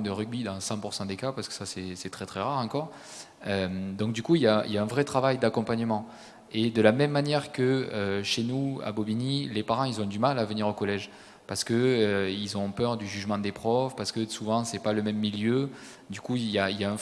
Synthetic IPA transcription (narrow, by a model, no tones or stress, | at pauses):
d̪əʁyɡ̚bid̪ɑ̃sɑ̃puʁsɑ̃d̪ekapaʁsə̥kə̥sasɛsɛt̪χɛt̪χɛʁaʁɑ̃kɔʁ | ømd̪ɔ̃k̚d̪ykuiljailjaɛ̃vʁɛt̪χavajd̪akɔ̃paɲəmɑ̃ | ed̪əlamɛmːanjɛʁkəøʃenua̰bɔbinilepaʁɑ̃ilzɔ̃d̪ymalavəniʁokɔlɛʒ | paʁsə̥kəøilzɔ̃pœʁd̪yʒyʒmɑ̃d̪epχɔvpaʁsə̥kəsuvɑ̃sɛpaləmɛmːiljø | d̪ykuljailjaɛ̃